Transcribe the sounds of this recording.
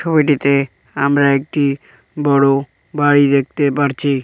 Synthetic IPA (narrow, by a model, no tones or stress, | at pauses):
ɔbeʈit̪e | amɾaek̚ʈi | bɔɽo | baɽid̪ek̚t̪epaɾt͡ɕʰi